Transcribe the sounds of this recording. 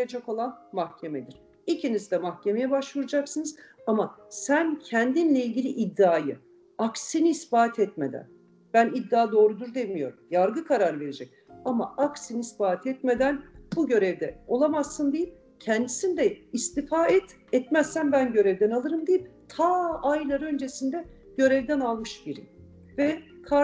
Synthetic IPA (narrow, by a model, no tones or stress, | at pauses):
ed͡ʒɛko̞lˠanmahcʰe̞mɛd̪iɾ̥ | icʰinizd̪ɛmahcʰe̞me̞jɛbaʃvuɾad͡ʒaksɯnɯzamasæncʰɛnd̪inlʲɛilʲɟʲilʲiʔid̪ːaːjɯ | aksiniːsbaːt̪ʰɛt̪me̞d̪æ̰n | b̥ænid̪ːaːd̪o̞ːɾud̪uɾd̪emijo̞ɾumjaɾɡɯkʰaɾaɾve̞ɾe̞d͡ʒɛc̚ama̰aksiniːsbaːt̪ʰɛt̪me̞d̪ænb̥uɟø̞ɾɛvd̪ɛo̞lˠamazːɯnd̪ejip̚ | cʰɛnd̪isind̪ɛist̪ifaːɛt̪ | ɛt̪mɛzsænbænɟø̞ɾɛvd̪ɛnalˠɯɾɯmd̪ejipt̪ʰaajlˠaɾø̞nd͡ʒe̞sind̪ɛ | ɟ̥ø̞ɾɛvd̪ɛnalˠmɯʃbiɾḭ | vɛkʰa